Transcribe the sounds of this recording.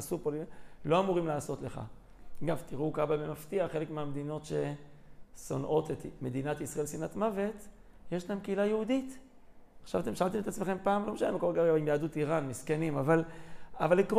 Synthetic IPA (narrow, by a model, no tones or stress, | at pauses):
supollo̞amuʁimlaːso̞t̪le̞χa̰ | ɡavt̪iʁukabavemaftiaχe̞lekmeamed̪ino̞tʃe̞ | so̞nʔo̞t̪et̪me̞d̪inat̪isʁae̞lsinatmave̞t̪ | jeʃlaemkeilajeud̪it̪ | χʃavat̪emʃaalt̪eme̞t̪at͡smeχe̞mpaːmlomeʃanemkolɡaʁɡaimjaːdut̪iʁanmiskenimavalavalk